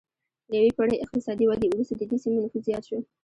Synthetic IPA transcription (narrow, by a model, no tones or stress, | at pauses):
d̪əjawekoɽəjɪq̚t̪ɪsɑd̪iwɑɡ̪eulust̪ad̪əd̪esimonʊfuzzjɑt̪ʃi